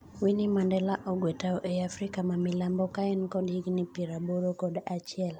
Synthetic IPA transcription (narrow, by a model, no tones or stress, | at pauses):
winimandɛlaʔɔɡwetaɔʔɛafɾikamamilambɔkaɛnkɔdiɡnipiɾaboɾokɔdat͡ʃɪɛl